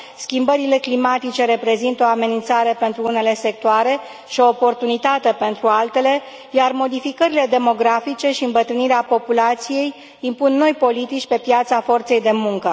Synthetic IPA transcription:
skʲimbəɾile̞klimat̪it͡ʃe̞ɾe̞pɾe̞zint̪o̞ame̞nint̪saɾe̞pe̞nt̪ɾuune̞le̞se̞k̚t̪oaɾe̞ | ʃio̞ːpo̞rt̪unit̪at̪e̞pe̞nt̪ɾualt̪e̞le̞ | jarmo̞d̪ifikəɾile̞d̪e̞mo̞ɡɾafit͡ʃe̞ʃiɨmbət̪ɾɨniɾeapo̞pulat̪sije̞j | impunːo̞jpo̞lit̪it͡ʃʲpe̞pjat̪safo̞rt̪se̞jd̪e̞muŋkə

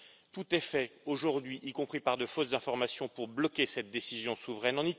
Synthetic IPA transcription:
t̪ut̪ɛfɛoʒuʁd̪ɥiʔikɔ̃pχipaʁd̪əfoszɛ̃fɔʁmasjɔ̃puʁblɔkʲesɛt̪̚d̪esizjɔ̃suvʁɛnɑ̃ni

